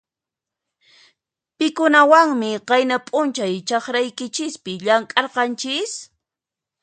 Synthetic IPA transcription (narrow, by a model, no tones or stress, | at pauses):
pɪkʊnawaŋmɪqɑjnapʼʊnt͡ʃajt͡ʃɑχɾajkɪt͡ʃɪspɪʎaŋkʼɑɾqɑnt͡ʃɪs